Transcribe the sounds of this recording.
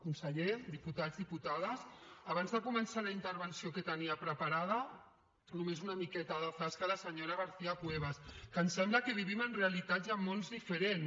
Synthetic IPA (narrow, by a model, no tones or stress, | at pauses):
kunsəʎed̪iput̪azðiput̪aðəsaβanzðəkumənsalaint̪əɾβənsiokət̪əniapɾəpaɾað̞ə | numezunamikɛt̪aðəfaskalasəɲoɾaɣəɾθiapweβ̞askənsɛmbləkəβ̞iβimənrealit̪ad̪zamːonzðifəɾen